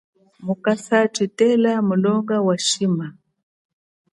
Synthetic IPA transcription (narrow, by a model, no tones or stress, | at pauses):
mukasat͡ʃitɛlamulɔŋɡawaʃima